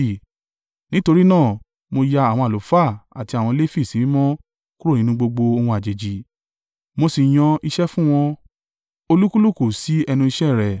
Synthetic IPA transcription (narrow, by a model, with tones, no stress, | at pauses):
nĩ˦to˧ɾi˦nãː˦˨ | mo˧ja˧a˨w̃ɔ̃˧a˨lo˨˦fa˦˨a˨ti˧a˨w̃ɔ̃˧le˦fi˦˨sĩ˨˦mɔ̃˦ | ku˦ɾo˦˨nĩ˨˦nũ˧ɡ͡bo˧ɡ͡bo˧o˧hũ˧a˨d͡ʒe˨d͡ʒi˨ | mo˧si˨j̃ɔ̃˧i˧ʃɛ˦fũ˦w̃ɔ̃˧ | o˧lu˦ku˦lu˦˨ku˨si˨˦ɛ˧nũ˧i˧ʃɛ˦˨ɾɛ˨